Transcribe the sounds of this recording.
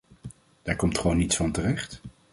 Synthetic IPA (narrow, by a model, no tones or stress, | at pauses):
d̥aːɹkɔmtχəʋownitsfɑntərɛχt